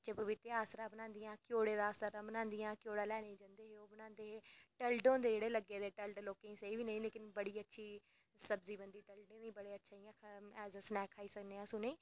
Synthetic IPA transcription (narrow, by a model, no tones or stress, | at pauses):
t͡ʃeːpəʋɪt̪eaːsɾãːbənãːnd̪ɪjãːkjoːɽeːd̪aːsəɾãːbənãːnd̪ɪjãːkɪjoːɽaːlɛːɽ̃ẽːd͡ʒãːnd̪eːɦeːoːbənãːnd̪eːɦeːʈəlɖõːd̪eːd͡ʒeːɽeːləɡeːd̪eːʈəlɖloːkẽːĩːsəiːʋiːnəĩːleːkɪnbəɽiːətːʃʰiː | səbziːbənd̪iːʈəlɖẽːnĩːbəɽeːətːʃʰaːiãːkʰɛːzəsnɛːkʰaːiːsəkneːãːsʊneː